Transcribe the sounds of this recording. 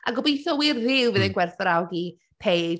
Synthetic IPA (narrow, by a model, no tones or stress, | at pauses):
a̰ɡɔbejθɔwirːɪwvɨðənɡwɛrθəɾawɡi | pʰe